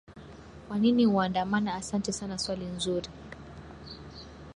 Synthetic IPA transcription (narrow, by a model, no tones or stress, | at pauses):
kwaniniuandamanaːsantɛsanaswalinzuɾi